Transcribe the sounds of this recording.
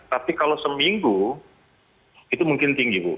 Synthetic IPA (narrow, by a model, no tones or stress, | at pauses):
t̪apikalosəmiŋɡu | it̪umuŋkɪnt̪iŋɡibṵ